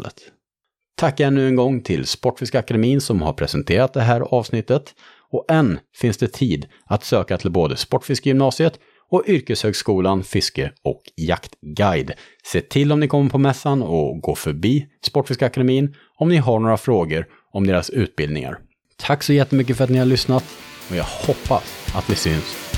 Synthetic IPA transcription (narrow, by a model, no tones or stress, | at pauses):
lə̰t̪ | t̪ʰakːaɛnːʉ̟ːɛŋɡɔŋːt̪ʰɪlspɔʈːfɪskaakad̪ɛmiːnsɔmha̰ɾpʰɾɛsɛnt̪ʰeːɾat̪̚d̪ɛɦæːɾɑːvsnɪt̪ːət̪ | ɔʔɛnːfɪnsd̪ɛt̪ʰiːd̪ | at̪søːkat̪ʰɪlboːd̪əspɔʈːfɪskəjʏmnɑːsɪət̪ | ɔʔʏɾkəshøːɡskuːlanfɪskəɔ̰kja̰kt̪ɡajd̪ | seːt̪ʰɪlːɔmnɪkʰɔmːəɾpʰɔmɛsːanɔɡoːfœɾbiːspɔʈːfɪskaɛkad̪ɛmiːn | ɔmnɪɦaɳoːɾafɾoːɡəɾ | ɔmd̪eːɾasʉ̟ːt̪̚bɪld̪nɪ̰ŋa̰ɾ | t̪ʰaksɔjɛt̪ːəmʏk̬ːəfœɾat̪nɪhaɭʏsnat̪ɔjɑːhɔpːa̰sat̪̚d̪ɪsʏns